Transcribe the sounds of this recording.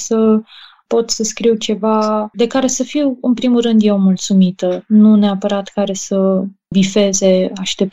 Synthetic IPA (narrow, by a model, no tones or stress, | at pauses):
sə | po̞t̪səskɾiwt͡ʃe̞vad̪e̞kaɾe̞səfiwɨnpɾimurɨnd̪jeomult̪sumit̪ənuneapəɾat̪kaɾe̞sə | vife̞ze̞aʃt̪e̞p̚